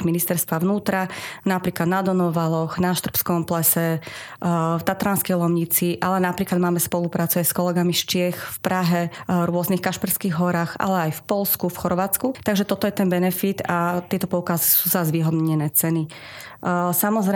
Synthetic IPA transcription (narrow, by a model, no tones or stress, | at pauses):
minist̪ɛɾst̪ʋaʋnuːt̪ɾanapɾiːklad̪nad̪ɔnɔʋalɔxnaʃt̪r̩pskɔmplɛsɛ | ft̪at̪ɾanskɛjlɔmɲit͡siʔalɛnapɾiːklad̪̚maːmɛspɔlupɾaːt͡suajskɔlɛɡamiʃt͡ʃɪɛxfpɾaɦɛvɾʊɔznixkaʃpiɾskiɣɦɔɾaːxa̰lɛajfpɔlskufxɔɾʋaːt͡skut̪aɡʒɛt̪ɔt̪ɔjɛt̪ɛnbɛnɛfit̪at̪ɪɛt̪ɔpɔʊkazisuːzazʋiːɦɔd̪ɲɛnɛːt͡sɛni | samɔzɾɛ